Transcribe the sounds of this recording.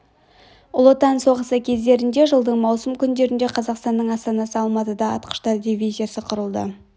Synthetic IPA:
ʊlˠo̞t̪ɑnso̞ʁəsəkʲʰe̞zd̪e̞ɾɪnd̪e̞ʒəlˠd̪əɴmɑwsəmkʲʏnd̪e̞ɾɪnd̪e̞qʰɑzɑqst̪ɑnːəɴɑst̪ɑnɑsəɑlˠmɑt̪əd̪ɑɑ̰t̪̚qə̥ʃt̪ɑɾd̪ʲivʲizʲijasəqʰʊɾəlˠd̪ə̰

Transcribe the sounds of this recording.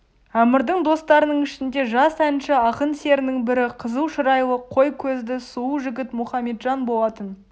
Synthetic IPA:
æmɪɾd̪əɴd̪o̞st̪ɑɾənəɴɪʃɪnd̪e̞ʒɑsænʃɪɑqənse̞ɾɪnɪŋbɪɾɪqʰəzəlˠʃəɾɑjlˠəqʰo̞jkʲʰɵzd̪ɪsuuʒɪɡʲɪt̪mʊχɑme̞t̪ʒɑnbo̞lˠɑt̪ən

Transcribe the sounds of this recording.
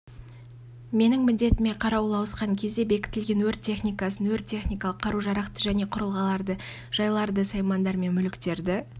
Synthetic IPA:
me̞nɪŋmɪld̪e̞t̪ɪme̞qʰɑɾɑwlˠɑwəsqɑŋkʲʰe̞zd̪e̞be̞kʲɪ̥t̪ɪlɡʲe̞nwɵɾt̪ʲʰːe̞χnijkɑsənwɵɾt̪ʲːʰe̞χnijkɑlˠəqʰːɑɾuʒɑɾɑqt̪əʒæne̞qʰʊɾəlˠʁɑlˠɑɾd̪ə | ʒ̥ɑjlˠɑɾd̪əsɑjmɑnd̪ɑɾme̞nmʏlɪkt̪e̞ɾd̪ɪ

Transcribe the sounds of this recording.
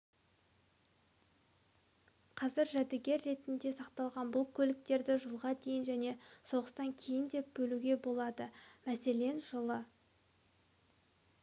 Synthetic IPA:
qʰɑzɪɾʒæd̪ɪɡʲe̞ɾːe̞t̪ɪnd̪e̞sɑqt̪ɑlˠʁɑnbʊlˠkʲʰɵlɪk̚t̪e̞ɾd̪ɪʒəlˠʁɑd̪e̞jɪnʒæne̞so̞ʁəst̪ɑŋkʲʰe̞jɪnd̪e̞p̚bɵluɡʲe̞bo̞lˠɑd̪əmæse̞le̞nʒəlˠə

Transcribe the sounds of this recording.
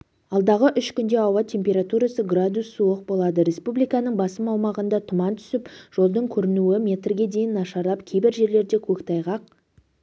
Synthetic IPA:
ɑlˠd̪ɑʁəʔʏʃkʲʏnd̪e̞ɑwɑt̪ʲʰe̞mpʲe̞ɾat̪uɾasəɡrad̪usːuəq̚bo̞lˠɑd̪əɾʲe̞spublˠijkɑnəɴbɑsəmɑwmɑʁənd̪ɑt̪ʰʊmɑnt̪ʰʏ̥sɪpʒ̥o̞lˠd̪əɴkʲʰɵɾɪnuwɪmʲe̞t̪rɡʲe̞d̪e̞jɪnːɑʃɑɾlˠɑpkʲʰejbɪɾʒe̞ɾle̞ɾd̪e̞kʲʰɵkt̪ʰɑjʁɑq̚

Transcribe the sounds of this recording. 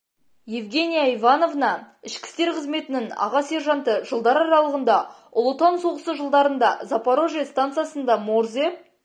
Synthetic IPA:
je̞vɡʲe̞nijaivɑno̞vnɑɪʃkʲɪ̥st̪eɾqʰəzme̞t̪ɪnɪŋɑ̰ʁɑse̞ɾʒɑnt̪əʒəlˠd̪ɑɾɑɾɑlˠəʁənd̪ɑ | ʊlˠot̪ɑnso̞ʁəsəʒəlˠd̪ɑɾənd̪ɑzɑpaɾo̞ʒijast̪ant̪sɨjasənd̪ɑmoɾzep̚

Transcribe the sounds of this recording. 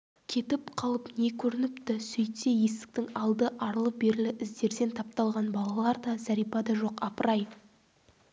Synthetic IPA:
kʲʰe̞t̪ɪpqʰɑlˠəpne̞kʲʰɵɾɪnɪpt̪ɪsɵjt̪ːeje̞st̪ɪ̥k̚t̪ɪŋɑlˠd̪əʔɑɾəlˠəp̚be̞ɾɪlɪʔɪzd̪e̞ɾd̪e̞nt̪ʰɑp̚t̪ɑlˠʁɑnbɑlˠɑlˠɑɾd̪ɑzæɾijpɑd̪ɑʒo̞qɑpəɾɑj

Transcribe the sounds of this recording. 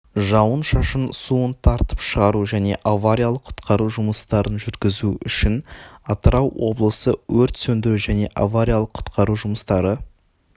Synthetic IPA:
ʒɑwənʃɑʃənsuənt̪ʰɑɾt̪ə̥pʃəʁɑɾuʒæne̞̰ʔavaɾʲijalˠəqʰːʊ̥t̪qʰɑɾuʒʊməst̪ɑɾənʒʏɾɡʲɪzuʏʃɪnɑt̪əɾɑwwʔo̞̰blˠəsəwɵɾt̪sɵnd̪ɪɾuʒæne̞ʔavaɾʲijalˠəqʰʊ̥t̪qʰɑɾuʒʊməst̪ɑɾə

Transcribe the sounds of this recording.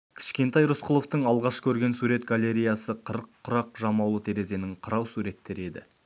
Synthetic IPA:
kʲʰɪ̥ʃkʲe̞nt̪ɑjɾʊsqəlˠo̞ft̪əɴɑlˠʁɑʃkʲʰɵɾɡʲe̞nsuɾe̞t̪ɡalʲe̞ɾʲijasəqʰəɾəqʰːʊɾɑq̚ʒɑmɑwlˠət̪ʰe̞ɾe̞ze̞nɪŋqʰəɾɑwsuɾe̞t̪ːe̞ɾe̞d̪ɪ̰

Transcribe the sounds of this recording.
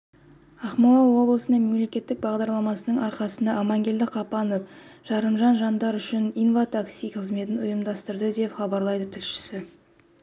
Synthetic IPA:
ɑχmulˠɑwo̞blˠəsənɑme̞mle̞kʲe̞t̪ːɪk̚bɑʁd̪ɑɾlˠɑmɑsənəɴɑɾqɑsənd̪ɑːmɑŋɡʲe̞ld̪ɪqʰɑpɑnofʒ̥ɑɾəmʒɑnʒɑnd̪ɑɾʏʃɪnijnvat̪aksijqʰəzme̞t̪ɪnʊjəmd̪ɑst̪əɾd̪əd̪e̞pχɑbɑɾlˠɑjd̪ət̪ʰɪlʃɪ̥sɪ

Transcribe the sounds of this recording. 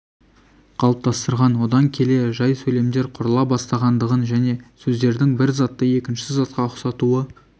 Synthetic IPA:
qʰɑlˠəp̚t̪ɑst̪əɾʁɑnwo̞d̪ɑŋkʲʰe̞leʒɑjsɵle̞md̪e̞ɾqʰʊɾəlˠɑbɑst̪ɑʁɑnd̪əʁənʒæne̞sɵzd̪e̞ɾd̪ɪŋbɪɾzɑt̪ːəe̞kʲɪnʃɪzɑt̪qɑʊqsɑt̪uə

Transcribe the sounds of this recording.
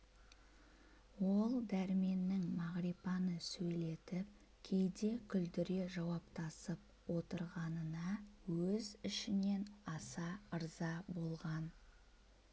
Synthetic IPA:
wo̞lˠd̪æɾme̞nːɪŋmɑʁɾipɑnəsɵjle̞t̪ɪp̚ | kʲʰe̞jd̪e̞kʲʰʏld̪ɪɾe̞ʒɑwɑpt̪ɑsəp | wo̞t̪əɾʁɑnənɑwɵzɪʃɪne̞nɑsɑəɾzɑbo̞lˠʁɑn

